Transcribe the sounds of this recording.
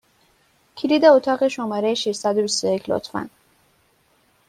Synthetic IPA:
cʰiliːd̪ɛot̪ʰɒːɣeʃomɒːɾejeʃiʃsæd̪obist̪ojecʰlo̰t̪fæ̰n

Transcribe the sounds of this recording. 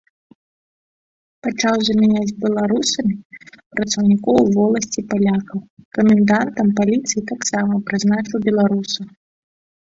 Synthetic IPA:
pat͡ʂawzɐmʲɛnʲad͡zʲbʲɛlˠaɾusɐmʲipɾɐt̪sɐwnʲikɔwvɔlˠɐsʲt͡sʲipalʲakɐwkɐmʲɛnd̪ant̪ɐmpalʲit̪sɨjit̪aksamɐpɾɨznat͡ʂɨwbʲɛlˠaɾusɐ

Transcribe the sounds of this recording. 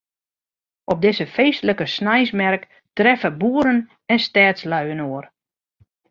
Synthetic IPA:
ʔɔp̚dɪsəfejstələkəsnajsmɛrk | trɛfəbuəɾən | ɛnstɛːtslaɥənoər

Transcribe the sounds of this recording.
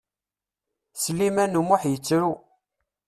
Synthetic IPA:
səlːimænumʊħjət͡sːɾu

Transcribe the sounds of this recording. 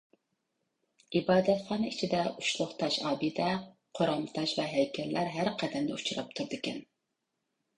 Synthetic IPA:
ibɑːd̪ɛt̪χɑːnɨit͡ʃʰid̪ɛuʃlˠʊχt̪ʰɑʃɑːbɨd̪ɛ | qʰoɾɑmt̪ʰɑʃvɛɦɛjkʲʰɛlːʔæɾɦæɾqʰɛd̪ɛmd̪ɛut͡ʃʰuɾɑp̚t̪ʰuɾd̪ɪkʲɛn

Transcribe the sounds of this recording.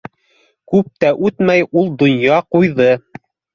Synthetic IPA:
kʉp̚t̪æʔʉt̪mæjulˠd̪ŏnjɑqujðɤ

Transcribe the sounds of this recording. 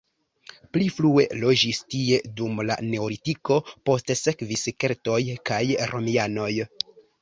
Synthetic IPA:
pliflue̞̰lo̞d͡ʒistie̞dumla̰ne̞oɾitiko̞po̞stse̞kviske̞ɾto̞jkajɾʔo̞miano̞j

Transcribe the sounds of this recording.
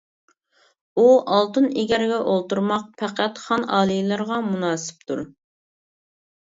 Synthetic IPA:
uʔɑlˠt̪ɨneɡʲɛɾɡʲɛʔolˠt̪uɾmɑq̚pʰæqæt̪χɑnɑːlˠijlˠɨɾʁɑmunɑːsɪ̥p̚t̪ʰuɾ

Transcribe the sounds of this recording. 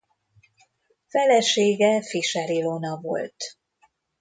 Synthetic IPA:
fɛlɛʃeːɡɛfiʃɛɾilonɒvo̞̰lt̪

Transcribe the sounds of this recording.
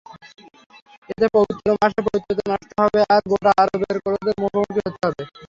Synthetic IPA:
et̪epobit̪ːoɾomaʃepoit̪ːot̪̬onaʃt̪oɦɔbeaɾɡoʈaaɾobeɾkoɾod̪eɾmukʰomukiɦot̪eɦɔbe

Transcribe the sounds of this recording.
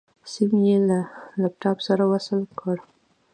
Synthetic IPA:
simjelalap̚ʈɑbsaɾawasəlkʰəɽ

